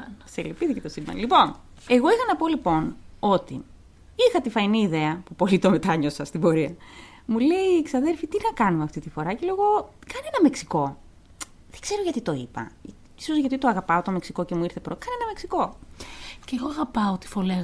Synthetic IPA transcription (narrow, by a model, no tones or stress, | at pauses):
selipiθicet̪osimbɐ̰lipo̞n | e̞ɣo̞ixɐnɐpo̞lipo̞no̞t̪ḭ | ixɐt̪ifɐiniːðe̞ɐpupo̞lit̪o̞me̞t̪ɐɲo̞sɐst̪ibo̞ɾiɐ | mule̞ieki̥sɐðe̞lfit̪inɐkɐnumeɐft̪it̪ifo̞ɾɐceleɣo̞kɐnenɐme̞ksi̥ko̞ | ðe̥ɡ̥ze̞ɾo̞ʝɐt̪it̪o̞ipɐ̰ | isozʝɐt̪it̪o̞ɐɣɐpɐot̪o̞meksiko̞ce̞muiɾθe̞pɾokɐne̞nɐmeksiko̞ | ceɣoɐɣɐpɐot̪i̥fole